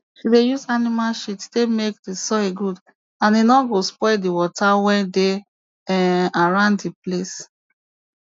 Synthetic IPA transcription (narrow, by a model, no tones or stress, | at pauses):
ʃidejuzanimalʃittemek̚disɔeɡud | ãninɔɡospɔdiwɔtawɛ̃de | ɛaɹãʊ̃nddiples